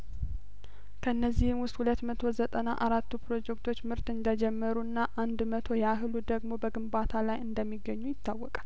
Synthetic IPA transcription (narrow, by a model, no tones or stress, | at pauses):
kʰəɨnːəzːihɨmwʊst̪hulət̪mət̪ʰo̞zət̪ʼənaʔaɾat̪ːupɾo̞d͡ʒɛkt̪ʰo̞t͡ʃːmɨɾt̪ɨnd̪əd͡ʒɛmːəɾuɨnːaʔand̪mət̪ʰo̞jaɦɨlud̪əɡmo̞bəɡɨmbat̪ʰalajɨnd̪əmːiɡːəɲːujɪt̪ːawːɔkʼal